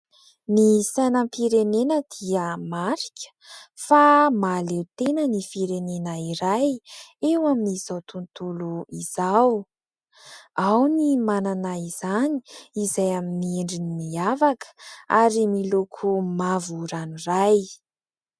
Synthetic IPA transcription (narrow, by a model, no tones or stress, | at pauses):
nisajnəmpiɾenenəd̪̥iəmaɾi̥kʲʰə̥famalewt̪enənifiɾenenəiɾajewaminiz̥awt̪unt̪uluiz̥aw | awnimananaiz̥ani̥izajaminieɳɖ͡ʐinimiavakə̥aɾimilukʰumavuɾaniraj